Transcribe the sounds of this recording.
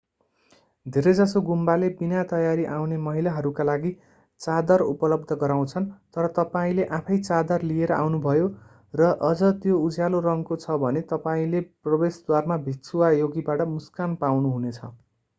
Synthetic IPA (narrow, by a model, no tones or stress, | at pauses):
d̪ʱeɾʌd͡zʌsoɡumbalebinat̪ʌjaɾiʔawnemʌɦilaɦʌɾukalaɡi | t͡sad̪ʌrupʌlʌb̚d̪ʱʌɡʌɾaw̃t͡sʰʌnt̪ʌɾʌt̪ʌpaĩleʔãpʰʌjt͡sad̪ʌrlijeɾʌʔa̰wnubʱʌjo | rʌʔʌd͡zʌt̪joud͡zjalorʌŋkot͡sʰʌbʱʌnet̪ʌpaĩleprʌbesd̪warmabʱit̪suwajoɡibaʈʌmuskanpawnuɦunet͡sʰʌ̰